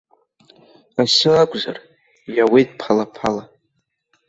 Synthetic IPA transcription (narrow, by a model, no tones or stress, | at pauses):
asɨakʷʼza̰r | jawejt̚ʼpʰalapʰala